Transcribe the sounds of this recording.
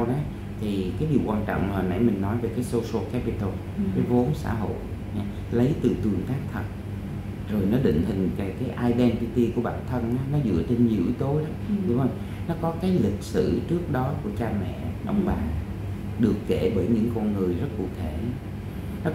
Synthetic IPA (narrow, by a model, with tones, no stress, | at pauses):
wɗɔ˨˦ | t̪ʰi˨˩kaː˨˦jɗi˨˩əwkwaː˧nt͡ɕɔ̰˧˨wŋ͡mmaː˨˩na̰˧˩jmï˨˩ŋ̟nɔ˨˦jve˨˩kaː˨˦jso˧so˧kɛ˦˥pi˧t̪o˧ | kaː˨˦jvo˨˦nsa̰ː˧˩ɦo̰˧˨j | ɲa˧ | lə˨˦jt̪ɨ̰˨˩t̪wi˨˩əŋt̪aː˦˥k̚t̪ʰə˨˩t̚ | zo˨˩jnɔ˨˦ɗḭ̈˧˨ŋ̟ɦï˨˩ŋ̟ka˨˩kaː˨˦jʔaː˧jɗɛ˧npi˧t̪i˧ku˧˩əɓa̰ː˧˩nt̪ʰə˧naː˨˦nɔ˨˦zɨ̰˧˥ət͡ɕe˧nɲḭ˨˩˨ʔi˨˦t̪o˨˦ɗɔ˨˦ɨ˧˨hə˧wŋ͡m | nɔ˨˦kɔ˨˦kaː˨˦jlï˨˩k̚sɨ̰˧˩t͡ɕɨ˦˥ək̚ɗɔ˨˦ku˧˩ət͡ɕaː˧mɛ̰˧˨ʔə˧wŋ͡mɓaː˨˩ | ɗɨ˨˩əkːe˧˩ɓəː˧˩jɲɨ̰˧˥ŋkɔ˧nŋɨ˨˩əjzə˦˥t̚kṵ˧˩˨t̪ʰe˧˩˨ | nɔ˨˦